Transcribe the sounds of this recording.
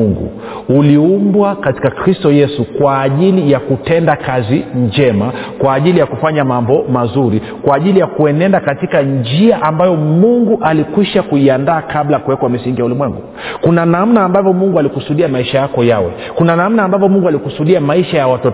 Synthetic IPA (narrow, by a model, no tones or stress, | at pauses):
uŋɡṵ | uliumbwakati̥kakɾistɔjɛsukwaːʄilijakutɛndakaziɲd͡ʒɛmakwaːʄilijakufaɲamambɔmazuɾi | kwaːʄilijakuɛnɛndakatikand͡ʒiaʔambajɔmuŋɡuʔalikwiʃakuiandaːkablajakuwɛkwamisiŋɡijaulimwɛŋɡṵ | kunanamnaːmbavɔmuŋɡualikusuɗiamaiʃajakɔjawɛ̰ | kunanam̩naːmbavjɔmuŋɡalikusuɗiamaiʃajawatɔ